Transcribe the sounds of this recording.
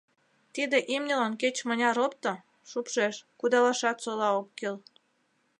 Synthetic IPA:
t̪id̪eʔimnʲəlɑnket͡ɕmənʲɑɾopt̪ŏ | ʃupʃeʃkud̪ɑlɑʃɑt̪solɑokːil

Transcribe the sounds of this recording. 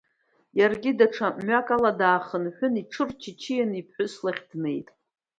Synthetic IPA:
jarɡʲidaʈ͡ʂʰaʔmɥakʼaladaːχənħʷᶣʊniʈ͡ʂʰɨrt͡ʃʰɪt͡ʃʰijanipʰħʷʊslaχʲdne̞jtʼ

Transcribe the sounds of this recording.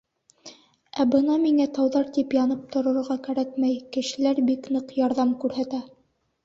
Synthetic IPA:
æbɤnɑmiŋæt̪ɑwðɑɾt̪ipjɑnɤp̚t̪ŏɾɤ̆ɾʁɑkæɾækmæjkɘ̆ʃɘ̆læɾbiknɤqjɑɾðɑmkʉɾɦæt̪æ

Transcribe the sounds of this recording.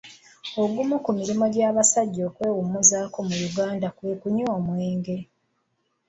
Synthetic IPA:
o̞ɡumukumiɾimo̞ɟaːβasaɟːoːkwe̞ːwumuzaːko̞mujuɡaːndakwekuɲoːmweːŋɡe̞

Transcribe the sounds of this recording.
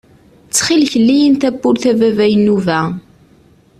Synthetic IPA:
t͡sːχilçəlːijənt̪æbːʊɾθævævæjənuvæ

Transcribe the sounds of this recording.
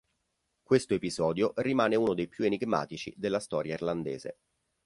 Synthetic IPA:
kwest̪oepizɔːd̪jorimaːneuːnod̪ejpjueniɡma̰ːt̪it͡ʃḭd̪elːast̪ɔːɾjairland̪ḛːzḛ

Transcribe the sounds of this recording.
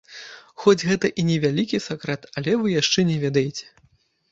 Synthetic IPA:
xɔd͡zʲɣɛt̪ɐʔinʲɛvʲalʲikʲisakɾɛt̪ɐlʲɛvɨjaʂt͡ʂɛnʲɛvʲɛd̪ɐjet͡sʲɛ̥

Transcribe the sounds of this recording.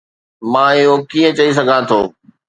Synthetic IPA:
mãːɪɦokiːə̃t͡ɕɐis̬ɐɡʱãːt̪ʰoː

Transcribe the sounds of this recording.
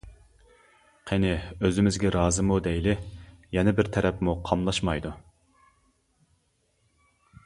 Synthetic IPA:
qʰɛnɪøzɪmɪzɡʲɛɾɑːzɨmud̪ɛjlɪjɛnɛbɪɾt̪ʰɛɾɛpmuqʰɑmlˠɑʃmɑjd̪u

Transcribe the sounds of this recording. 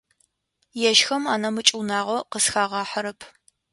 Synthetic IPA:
jɛʃxɐmaːnɐmɨt͡ʃʼuwnaːʁʷɐqəsxaːʁɑːħɐɾɐpʰ

